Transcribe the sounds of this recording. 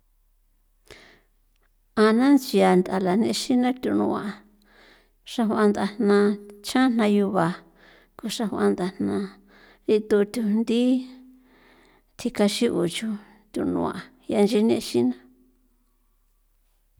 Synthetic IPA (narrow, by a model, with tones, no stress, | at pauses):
a˧nã˦nt͡ʃi˧a˧nd̪a˨la˨nẽ˧ʃi˦nã˦t̪ʲu˧nṵ̃˧ã˧˨˧ | ʂa˧hʷwã˧nd̪a˧n̥nã˧t͡ʃã˦n̥nã˧ju˧βa˨ | ku˧ʂa˧hʷu˧ã̰˧nd̪a˨n̥nã˧ | ɾi˧t̪u˧t̪ʲu˧nd̪i˦ | t̪ʰi˧ka˧ʃi˦ʔu˨t͡ʃu˧ | t̪ʲu˧nṵ̃˧ã̰˨˧ | ja˧nd͡ʒi˧˦nḛ̃˧ʃi˦nã˦